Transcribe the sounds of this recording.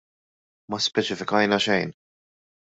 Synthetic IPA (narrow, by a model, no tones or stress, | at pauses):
mɐspɛt͡ʃɪfɪkɐjnɐʃɛjn